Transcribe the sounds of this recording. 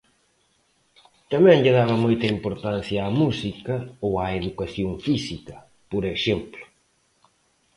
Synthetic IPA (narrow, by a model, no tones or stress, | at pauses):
t̪ɐmɛ̃ŋʎɪðaβɐmojt̪ɐimpoɾt̪anθjɐːmusikɐowaeðukaθjoŋfisikɐ | poɾeʃemplʊ̥